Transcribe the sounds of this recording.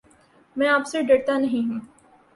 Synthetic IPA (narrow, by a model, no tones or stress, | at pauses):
mɛ̃ːaːpseɖɐɽt̪anɐɦĩɦũː